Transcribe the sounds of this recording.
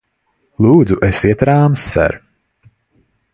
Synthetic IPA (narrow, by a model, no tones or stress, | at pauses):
lˠuːd̪zuʔɛsiɛt̪ɾaːmsːɛ̰ɾ